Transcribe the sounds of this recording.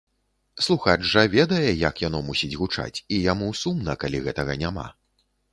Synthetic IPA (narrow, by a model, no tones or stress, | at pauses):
slˠuxat͡ʂʐɐvʲɛd̪ɐjɛjɐkjanɔmusʲid͡zʲɣut͡ʂa̰t͡sʲijamusumnɐkalʲiɣɛt̪ɐɣɐnʲama̰